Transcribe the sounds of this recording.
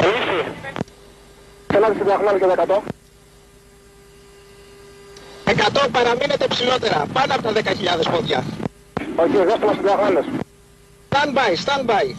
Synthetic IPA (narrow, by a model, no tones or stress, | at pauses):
elisi | senɐðisiðiɐɣɾɐlejɐt̪oekɐt̪o | e̞kɐt̪o̞pɐɾɐmine̞t̪e̞psilo̞t̪e̞ɾɐ̰pɐnoɐpot̪ɐðekɐçiʎɐðe̞spoðʝɐ̰ | oçeðesfolɐseðiɐɣlɐles | t̪ɐnbɐjst̪ɐnbɐj